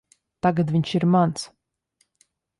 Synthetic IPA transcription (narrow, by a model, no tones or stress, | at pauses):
t̪aɡad̪vʲiɲʲʃiɾmans